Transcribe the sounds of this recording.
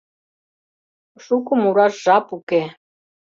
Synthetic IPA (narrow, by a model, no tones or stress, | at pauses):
ʂukumuɾaʒapukɛ